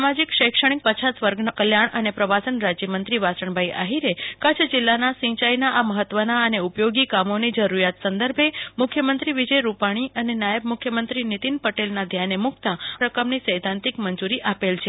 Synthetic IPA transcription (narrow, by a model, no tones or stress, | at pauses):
samad͡ʒikʃəjkʂəɽ̃ik̚pət͡ʃʰasʋəɾɡnəkəljaɳənepɾəʋasənɾad͡ʒjəmənt̪ɾiʋasəɳbʱajʔa̰ɦiɾekət͡ʃʰd͡ʒɪlːanasĩt͡ʃajnaʔaməɦət̪ːʋənaəneupjoɡikamonid͡ʒəɾuɾjat̪sənd̪əɾbʱemʊkʰjəmənt̪ɾiʋid͡ʒəjɾupaɽ̃iʔənenajəb̚mʊkʰjəmənt̪ɾinit̪inpəʈelnad̪ʱjanemʊkʰt̪ãɾəkəmnisəjd̪ʱãnt̪ikmənd͡ʒuɾiʔapelt͡ʃʰe